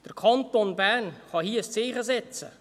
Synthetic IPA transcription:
d̥əɾkʰɑntonbæːnχɑhiːəəst͡siːχəsɛt͡sə̰

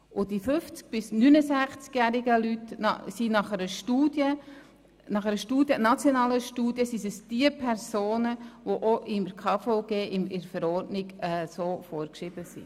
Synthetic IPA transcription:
ʔʊdifʏft͡sk̚b̥ɪsnynəsæχt͡skjæːɾɪɡəlytnɑ̰sinɑχɛɾəʃtuːd̥jə | nɑχɛɾəʃtuːdjənɑt͡sjonɑːləʃtuːd̥jəsisəsd̥iəpʰɛɾsoːnəʋoʔoʔɪməɾkʰɑːfɔʊɡ̥eːʔɪmɪɾfəɾɔɾdnɪɡɛsoːfɔːɾkʃɪbəsḭ

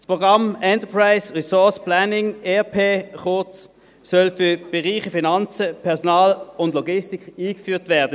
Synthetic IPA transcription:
spʁoɡʁɑmɛntəpʰʁaɪsʁisɔsplanɪŋɛpʰeːχot | sœlfʏb̥ɛʁiːχəfinɑnt͡səpʰɛɐsɔnɑːlʊndlɔɡɪstɪkχiːkfyːtvæːɐdə

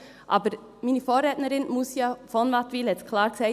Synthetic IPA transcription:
ʔɑ̰ːbəɾ | miːnəfoːɾeːt̪nəɾɪnmʊsjɑːfɔnmɑt̪ʋɪlɛtkʰlɑːɾsæɪ

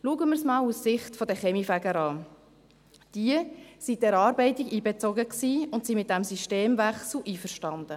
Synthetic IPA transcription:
luəɡəmɪɾsmɑːlussɪχtfɔdəχɛmifæɡəɾɑː | d̥iəsidɛɾɑːɾbɛɪtɪɡiːbɛt͡sɔɡəksiːʊntsimɪt̪̚d̥æmsyʃteːmvæχsl̩ʔiːfəɾʃtɑnd̥̪ə

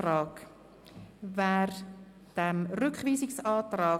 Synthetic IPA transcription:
ɾɑːk | vɛːɾ | d̥ɛmrʏkχviːsɪksɑːtraː

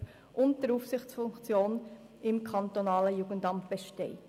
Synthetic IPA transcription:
ʔʊnt̚d̥əɾufsɪχt͡sfʊŋkt͡sjoːn | ɪmkʰɑnt̪onɑːləjuɡəntɑmb̥ɛʃtɛɪ

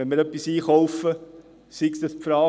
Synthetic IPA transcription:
ɛnmɪːɾœpːisiːχowfə | siksd̥̪ɑspfɾɑː

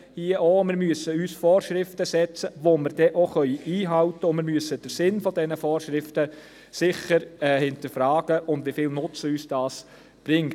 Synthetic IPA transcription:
hiːəʔomɪɾmyəsəyːsfɔːɾʃɾɪftəsɛt͡səʋomɪɾd̥ɛʔoχœʏiiːɦɑʊtəʊnmɪːɾmyəsəd̥əɾsɪnfɔdɛnəfɔːɾʃɾɪftə | sɪχəɾɛhɪntəɾfɾaːɡ̥əʔʊndʋifɪːlnʊt͡səyːsd̥ɑːs | b̥ɾɪŋ

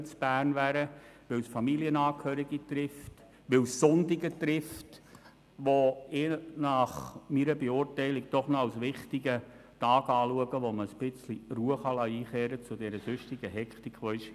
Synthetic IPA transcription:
t͡sb̥æːrnʋæːɾəʋɪwsfɑmiliənɑːkʰhœːɾiɡitɾɪft | ʋɪwsːʊndiɡətɾɪft | ʋoɪnɑχmiɾəbeʊrtɛɪlik̚d̥ɔχnɔɑlsʋɪχtiɡə | tɑːɡɑːluəɡəʋoməspɪt͡sliruəχɑlɑiːχeːɾət͡sʊdɛɾəsøʃtiɡ̥əɦɛkχtikχʋoɪʃ

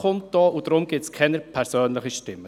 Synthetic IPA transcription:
χʊnt̚d̥ɔːud̥̪ɾʊmɡ̥ɪtskʰɛnəɾpʰɛɾsøːnləχiʃtɪmːə

